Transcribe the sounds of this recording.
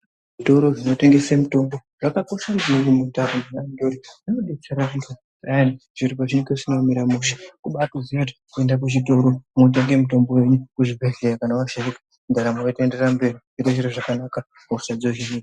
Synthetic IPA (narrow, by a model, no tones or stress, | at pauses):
ʐʐito̞ɾo̞ʐino̞te̞ŋɡe̞semuto̞mbo̞ | ʐ̥akako̞ʃand͡ʒirumutaruninandoɾiʐanoɗikut͡ʃaɾakuta | aaniʐ̥iɾipaʐinkesinomiɾamuʃḁkuɓatuzijati̥ | kue̞ndakuʒito̞ɾomot̬eŋɡe̞muto̞mbowe̞ɲukuʐibʱeɮejakanawaʃaikḁ | ndaɾamoete̞nde̞rambe̞ri | iɾot͡ʃiɾeʐakanaka | kauʃad͡zoʒinik